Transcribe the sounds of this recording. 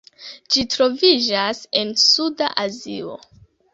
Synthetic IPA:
d͡ʒitɾo̞vid͡ʒase̞nsudaʔazḭo̞̰

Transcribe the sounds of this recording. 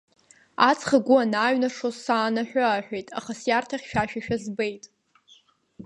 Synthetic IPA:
at͡sʰʼχaɡʷʊanaːɥnaʂozsaːnaħʷᶣʊaħᶣʷejtʼa̰χasjartʰaχʲʃᶣaʃᶣaʃᶣazbe̞jtʼ

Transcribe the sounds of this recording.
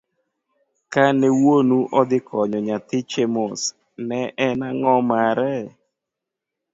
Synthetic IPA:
kanɛwonuʔɔd̪ɪkʰɔɲɔɲat̪ɪt͡ʃemos | nɛʔɛnaŋɔmaɾɛ

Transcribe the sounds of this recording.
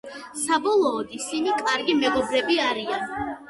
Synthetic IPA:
sabɔlˠɔːd̪isinikʼaɾɡimɛɡɔbɾɛbiaɾian

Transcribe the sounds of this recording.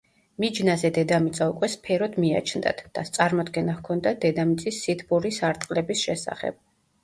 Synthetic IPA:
mid͡ʒnazɛd̪ɛd̪amit̪sʼaukʼwɛspʰɛɾɔd̪mia̰t͡ʃʰnd̪a̰t̪ʰd̪̥at̪sʼaɾmɔd̪ɡɛnahkʰɔnd̪ad̪ɛd̪amit̪sʼisːit̪ʰbuɾisaɾt̪ʼqʼlɛbisʃɛsa̰χɛ̰b̥̚

